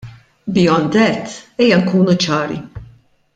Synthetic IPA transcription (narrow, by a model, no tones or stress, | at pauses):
bjɔnd̪ɛt̪ːɛjːɐŋkuːnut͡ʃɐːɾḭ